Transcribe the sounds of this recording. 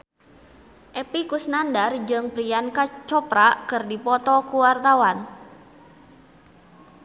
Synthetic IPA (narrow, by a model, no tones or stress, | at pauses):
ʔɛpikusnandard͡ʒɨŋpɾijankat͡ʃɔpɾakɨrdipɔt̪ɔkuwart̪awan